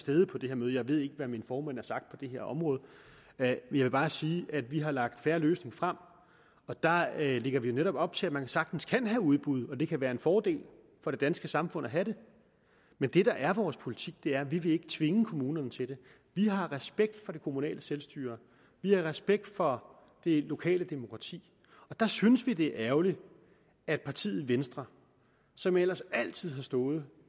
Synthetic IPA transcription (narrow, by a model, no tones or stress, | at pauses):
sd̥eð̞ˠpʰɒ̽d̥e̝he̝ɐ̰møːðˠjɑ̈ɪʋe̝ð̞ˠe̝ɡ̥əʋæminfɒːmænæɐsɑ̈ɡ̥d̥pʰɒ̽d̥e̝ɦe̝ɐ̰ʔɒ̽mʁɔ̽ːð̞̩ˠ | jɑ̈ʋe̝b̥ɑ̈ːsiːʔæd̥ʋiɦɑ̈lɑ̈ɡ̥̚d̥fæɐløːsne̝ŋfʁam̰ | ɒ̽d̥ɑ̈le̝ɡ̥ɐʋijo̝neɾɒ̽b̥ɒ̽b̥̚t͡sʰe̝æmænsɑ̈ɡ̥d̥n̩skʰæn̰ɦæuð̞ˠb̥uð̞̩ˠɒ̽d̥e̝kʰæʋæːɐe̝nfɒːd̥e̝̰ːl | fɒ̽ɾ̥e̝d̥ænsɡ̥əsɑ̈mfɔ̽n̰æɦæɾe̝ | mend̥e̝ɾ̥ɑ̈ʔæɐʋɒːspʰo̝lit͡sʰiɡ̥d̥e̝æɐʋiʋe̝e̝ɡ̥ə̥t͡sʰʋe̝ŋəkʰo̝muːnɐnət͡sʰe̝d̥e̝ | ʋiɦɑ̈ʁɛsb̥eɡ̥̚d̥fɒ̽ɾ̥e̝kʰo̝munɛ̰ːləselsd̥y̰ːɐ | ʋihɑ̈ʁɛsb̥eɡ̥̚d̥fɒ̽ | d̥e̝lo̝kʰɛ̰ːləd̥emo̝kʰʁɑ̈t͡sʰḭː | ɒ̽d̥ɑ̈synəsʋid̥e̝æɐʔæʊli | æd̥̚pʰɑ̈t͡sʰḭːð̩ˠʋensd̥ʁɐ | sɒ̽mel̰ɐsæl̰t͡sʰið̞̰ˠɦɑ̈sd̥ɔ̽ːð̞̩ˠ